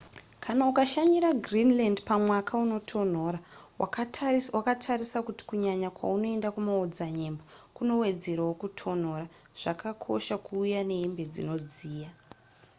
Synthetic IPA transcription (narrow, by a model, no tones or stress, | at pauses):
kʰanaukaʃaɲiɾaɡrinlandpamwakʰauno̞tʰo̞n̤o̞ːra | wawakatʰarisakuti̥kuɲaɲakwa̰uno̞e̞ndakumaod͡zaɲe̞mbokuno̞we̞d͡ze̞ɾawokutʰo̞n̤o̞ːra | ʐ̥akakʰo̞̰ʃakuːjane̞imbe̞d͡zḭno̞d͡ziːja